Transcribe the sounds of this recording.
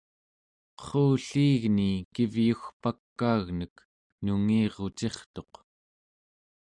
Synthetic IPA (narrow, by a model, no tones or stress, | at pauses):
qə̥χouːɬiːɣnikivjuxpakːaːɣnək | nuŋiːʁot͡ʃe̞χt̪o̞q